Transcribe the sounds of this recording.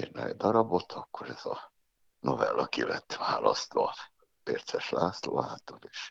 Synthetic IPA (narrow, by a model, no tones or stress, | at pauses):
irnɛɛd̪ɒɾɒbo̞t̪ʰɒkːoɾɛz̥ɒ | novɛlːɒkilɛt̪ːʋaːlɒst̪ʋɒ | peːrt̪sɛʃlaːsloːaːt̪oleːʃ